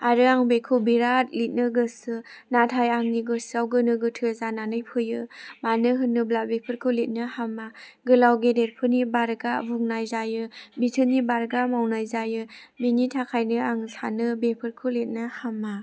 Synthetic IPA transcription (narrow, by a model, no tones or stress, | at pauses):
aɾɯaŋbekʰɯbiɾat̚lit̚nɯɡɯsɯnatʰajaŋniɡɯsawɡɯnɯɡɯtʰɯzananɯjpʰɯjɯmanɯɦɯnːɯblabepʰɯɾkʰɯlit̚nɯhamːaɡɯlawɡedet̚pʰɯnibaɾɡavuŋnajzajɯbitʰɯnːibaɾɡamawnajzajɯbinitʰakʰajnɯaŋsʰanɯbepʰɯɾkʰɯlit̚nɯhamːa